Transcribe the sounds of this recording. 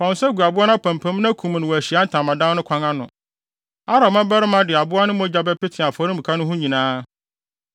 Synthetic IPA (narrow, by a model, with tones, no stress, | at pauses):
fɔ̃˨n˨sɛ˦ɡu˨a˨bʊ˦a˦nã˦pʰæ̃˨m˨pʰæ̃˦m˦nã˦kʰũ˨m˨nʊ̃˨wɔ˨æ˨ɕi˨a˦n̩˦tʰã˨mã˨dã˦n˦nʊ̃˦kʷʰã˦ŋã˦nʊ̃˨ | a˦ɾa˨mã˦bɛ˦ɾɪ˦mã˦dɪ˨a˨bʊ˦a˦nɪ̃˦mɔ̃˦d͡ʑa˦bɛ˦pɪ˦tʰɪ˨a˨fɔ˨ɾĩ˦mb̩ĩ˨kʰa˦nʊ̃˦ɦʊ̃˦ɲĩ˨nãː˦